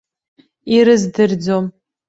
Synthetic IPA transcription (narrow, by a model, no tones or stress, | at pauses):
iɾɨzdɨrd͡zom